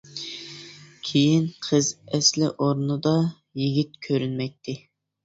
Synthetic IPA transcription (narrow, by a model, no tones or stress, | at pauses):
kʲʰejinqʰəzɛslɪʔoɾnɨd̪ɑ | jiɡʲit̪̚kʲʰøɾynmɛk̚ʲt̪ʰɪ